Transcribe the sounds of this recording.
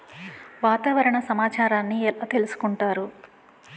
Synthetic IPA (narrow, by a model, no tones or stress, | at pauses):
ʋaːt̪aːʋɐɾɐɳɐsɐmaːt͡ʃaːɾaːnːiɛlɐt̪e̞lusu̥kuɳʈaːɾu